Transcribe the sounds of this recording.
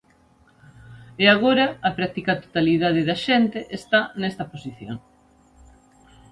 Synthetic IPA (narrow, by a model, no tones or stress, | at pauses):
eaɣoɾɐːpɾak̚t̪ikɐt̪o̥t̪aliðað̞ɪðɐʃɛnt̪eʔest̪anɛst̪ɐposiθjo̰ŋ